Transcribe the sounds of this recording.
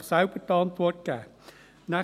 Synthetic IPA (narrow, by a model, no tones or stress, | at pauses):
sawpət̪ɔːmp̪ʰɔət̪̚kaː | na